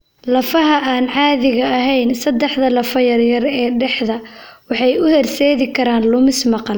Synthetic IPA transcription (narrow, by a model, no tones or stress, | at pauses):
lɐfɐɦɐʔaːnʕɑːðɪɣɐːɦɛjnsɐd̪ːɛħðɐlɐfɐjɐrjɐrɛːɖɛħðɐwɑħɑjʊhɛrsɛːðɪkʰɐɾaːnlʊmɪsmɑqɑl